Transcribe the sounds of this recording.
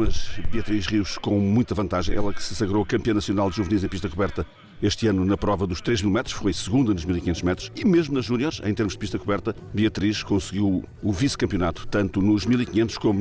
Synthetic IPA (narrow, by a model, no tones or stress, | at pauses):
ɐʒbiɐt̪ɾiʃʁiwʃkõmũj̃t̪ɐvɐ̃nt̪aʒɐ̃j̃ɛ̰lˠɐkɨ̥sɐsɐɣɾoɐkɐ̃mpiɐ̃nɐsiunalˠd̪ʒuvnizẽpiʃt̪ɐkuβɛɾt̪ɐ | eʃt̪ɨanunɐpɾɔvɐðuʃt̪ɾeʒmilˠmɛt̪ɾuʃfojsɨɣũnd̪ɐnuʒmilˠikiɲẽnt̪uʒmɛt̪ɾu̥ʃimeʒmunɐʒunjɔɾʃɐ̰ḛ̃t̪eɾmuʒd̪ɨpiʃt̪ɐkuβɛɾt̪ɐβiɐt̪ɾiʃkõsɨɣiw | uviskɐ̃mpjunat̪u̥t̪ɐ̃nt̪unuʒmilˠikɲẽnt̪ʃkom